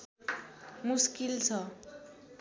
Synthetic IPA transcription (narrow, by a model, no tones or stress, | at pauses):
muskilt͡sʰʌ